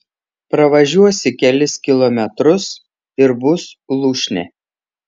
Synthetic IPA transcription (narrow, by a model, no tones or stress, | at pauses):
pɾɐʋɐʒʲuɔsʲɪkʲɛlʲɪskʲɪlˠɔmʲɛt̪ɾʊs | ɪɾbʊslˠuːʃʲnʲɛ̰ˑ